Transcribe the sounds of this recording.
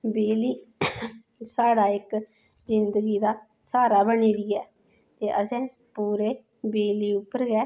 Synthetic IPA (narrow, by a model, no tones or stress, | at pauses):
beːliː | saːɽaːɪk | zɪnd̪əɡiːd̪aː | saːɾaːbəɳiːɾiɛː | t̪eːʔəsɛ̃ː | puːɾeː | beːliːʊpːəɾɡɛː